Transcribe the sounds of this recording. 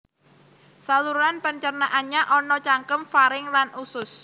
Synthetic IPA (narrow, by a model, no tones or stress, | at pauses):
saluɾanpəɲt͡ʃərnaʔanɲaʔɔnɔt͡ʃaŋkəmfaɾɪŋlanʔusʊs